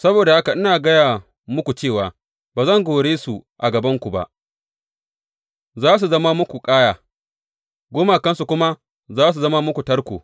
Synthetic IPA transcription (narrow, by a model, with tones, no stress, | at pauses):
sɐ˦boː˨da˨ha˦ka˨ʔɪ˦naː˨ɡɐ˦jaː˨ | mʊ˦kʷu˨t͡ʃeː˦˨waː˨ | baː˨zɐ˦˨ŋɡʷoː˨ɽeː˦su˨ʔa˨ɡɐ˨bɐ˦ŋkʷu˨ba̰˨ʔ | zaː˦s̬u˨zɐ˦ma˦mʊ˦kʷu˨kʼaː˦jaː˨ | ɡʷoː˦ma˨kɐ˦nsu˨kʷʊ˦ma˦ | zaː˦s̬u˨zɐ˦ma˦mʊ˦kʷu˨tɐ˦ɽkʷo̰ː˨